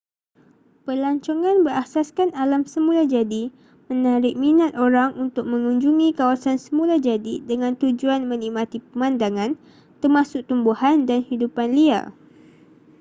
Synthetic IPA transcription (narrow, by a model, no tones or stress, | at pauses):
pəlaɲt͡ʃɔŋãnbəɾasaskanalamsəmũlad͡ʒadi | mə̃naɾɪk̚mĩnat̪oɾaŋʔunt̪ʊk̚mə̃ŋuɲd͡ʒuŋĩkawasansəmũlad͡ʒadidəŋãnt̪ud͡ʒuanmə̃nikmãt̪ipəmãndaŋãn | t̪ərmãsʊk̚t̪umbuhandanhidupanlia̰